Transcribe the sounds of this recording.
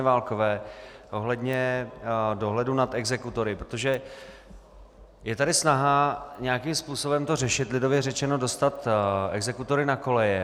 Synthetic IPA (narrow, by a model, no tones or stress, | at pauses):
ɛvaːlko̞vɛːʔo̞ɦlɛdɲɛ | do̞ɦlɛdunat̪ɛɡzɛkut̪o̞ɾɪpɾo̥t̪oʒɛ | jɛt̪adɪsnaɦaɲɛjakimspuːso̞bɛmt̪o̞rɛʃɪt̪lɪdo̞vjɛrɛt͡ʃɛno̞do̞st̪at̪ɛ̰ɡzɛkut̪o̞ɾɪnako̞lɛjɛ